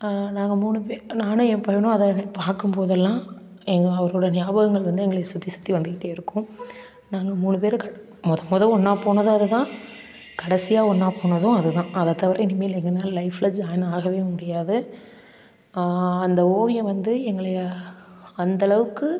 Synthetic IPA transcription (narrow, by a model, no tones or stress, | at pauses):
naːŋɡɐmuːɳɯpenaːnɯ̃ɛmpɐːjɐnʊ̃ɐðɐpaːɾkɯmpoːðɛlːãː | ɛŋɡɐɐʋɐɾoːɽɐnɪjaːbɐɣɐŋɡɐɭʋɐnd̪ɯɛŋɡɐɭɯjɐsʊt̪ːisʊ̥t̪ːiʋɐnd̪ɯkɪʈːeːɪɾɯkːʊ̃ | naːŋɡɐmuːɳɯpeːɾkɐ | mɔðɐmɔðɐ̃ɔɳːaːpoːɳɐðɯ̃ɐðɯðãː | kɐɽɐsɪjaːɔɳːaːpoːɳɐðʊ̃ɐðɯðãːʔɐðɐt̪ːɐʋɐɾɐ̃ɛnɪmɐjɪlɛŋɡɐnaːllɐɪflɐd͡ʒaːnaːɣɐʋeːmʊɽɪjaːðɯ | ɐnd̪ɐoːʋɪjɐ̃ʋɐnd̪ɯɛŋɡɐɭɐjɐ | ɐnd̪ɐɭɐʋɯkːɯ